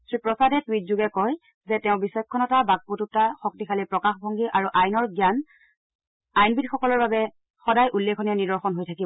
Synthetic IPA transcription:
tɹipɹɔsadɛtwitzuɡɛkɔj | zɛtɛʊ̃bisɔjkʰːɔnɔtabaɡ̚pututaxɔk̚tikʰalipɹɔkaxbʱɔŋɡiʔaɹuʔajnɔɹɡjan | ajnbidxɔkɔlɔɹbabɛ | xɔdajʔulːekʰɔnianidɔɹxɔnɦojtʰaki

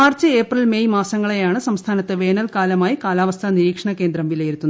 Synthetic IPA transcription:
aːrt͡ɕːɨeːprɐlmejmaːsɐŋːɐɭejaːɳɨsɐmst̪ʰaːnɐt̪ːɨʋe̞ːnɐlkaːlɐmaːjikaːlaːʋɐst̪ʰɐniɾiːkʂɐɳɐkːeːnd̪ɾɐmʋilɐjiɾut̪ːunːɐ

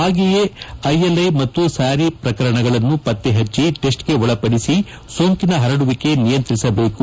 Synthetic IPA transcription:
aːɡijeɐjelɐjmɐt̪ːusaːɾipɾɐkɐɾɐɳɐɡɐɭɐnːupɐt̪ːeɦɐt͡ʃːiʈe̞sʈɡe̞ɔɭɐpɐɽisi | soːŋkinɐɦɐɾɐɽuʋike̞nijɐnt̪ɾisɐbe̞ːku

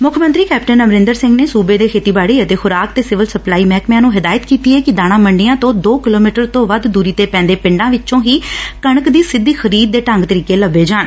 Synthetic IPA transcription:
mʊkʰmə̃nt̪ɾiːkɛːpʈənəmɾɪ̃nd̪əɾsɪ̃ŋɡneːsuːbeːd̪eːkʰeːt̪iːbaːɽiːət̪eːxʊɾaːk̚t̪eːsɪʋəlsəplaːiːmɛːkmjãːnũːɦɪd̪aːjət̪kiːt̪iːɦɛːkɪd̪aːɽ̃aːməɳɖɪjãːt̪õːd̪oːkɪloːmiːʈəɾt̪õːʋəd̪d̪uːɾiːt̪eːpɛ̃ːnd̪eːpɪ̃ɳɖãːʋɪt͡ʃʃõːɦiːkəɳəkd̪iːsɪd̪ːiːxʰəɾiːd̪̚ːeːʈəŋɡt̪əɾiːkeːləbːeːd͡ʒaːɳ

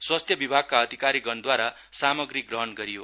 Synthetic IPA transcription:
swast̪ʰjʌbibʱaɡ̚kaʌd̪ʱikaɾiɡʌnd̪waɾa | samʌɡrik̚ɡrʌɦʌnɡʌɾijo

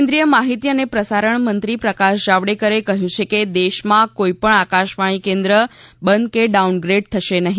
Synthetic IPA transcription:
nd̪ɾijəmaɦit̪iənepɾəsaɾəɳmənt̪ɾipɾəkaʃd͡ʒaʋɽekəɾekəɦjũt͡ʃʰeked̪eʃmãkoipəɳakaʃʋaɽ̃ikẽnd̪ɾəbənd̪̚keɖaunɡɾeɖ̚t̪ʰəʃenəɦĩ

